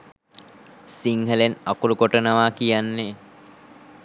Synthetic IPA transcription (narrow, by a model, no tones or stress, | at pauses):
siŋɦəlenakuɾukoʈənəʋaːkijanːe